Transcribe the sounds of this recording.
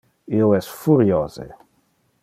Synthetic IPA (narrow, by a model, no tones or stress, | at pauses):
ioɛsfuɾjozḛ